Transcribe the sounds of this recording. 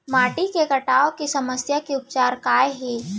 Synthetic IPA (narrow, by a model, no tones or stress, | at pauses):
maːʈikekɐʈaːokisɐməsjakeʊp̚t͡ʃaːɾkaːeɦeː